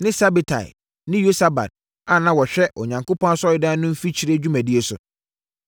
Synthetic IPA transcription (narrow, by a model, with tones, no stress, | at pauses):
nɪ̃˦sa˦bi˨tʰa̰˨ɪ̰˨ | nɪ̃˦jo˦sa˦ba̰˨d̚ | a˨nã˦wɔ˨ɕᶣɛ˦ʔo̰˨ɲã˨ŋkʰo˦pʰɔ̃˦a˦sɔ˦ɪ˦dã˦nʊ̃˦m̩˦fi˦t͡ɕʰi˦ɾe˦d͡ʑᶣu˦mæ̃˨di˦e˦sʊ̰˨